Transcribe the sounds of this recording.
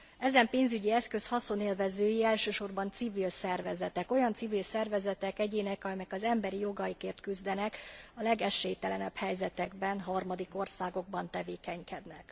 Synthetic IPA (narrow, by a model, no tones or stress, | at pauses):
ɛzɛmpeːnzyɟiɛskø̞shɒso̞neːlvɛzøːjiɛlʃøːʃo̞rbɒnt̪sivilsɛrvɛzɛt̪ɛko̞jɒnt̪sivilsɛrvɛzɛt̪ɛkɛɟeːnɛkɒmɛkɒzɛmbɛɾijo̞ɡɒjikeːrt̪kyzd̪ɛnɛkɒlɛɡɛʃːeːjt̪ɛlɛnɛbhɛjzɛt̪ɛɡbɛnɦɒrmɒd̪iko̞rsaːɡo̞ɡ̚bɒnt̪ɛveːkɛɲkɛd̪nɛk